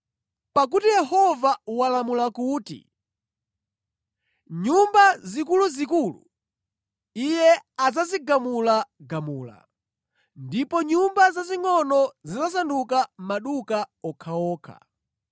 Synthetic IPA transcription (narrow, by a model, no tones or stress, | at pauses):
pak̬utijɛɦɔvawalamulakuːtḭ | ɲumbazikuluzikuːlṵ | ijɛazaziɡamulaɡamuːla̰ | ndipɔɲumbazaziŋɔnɔzizasandukamaɗukaɔkʰaɔːkʰa̰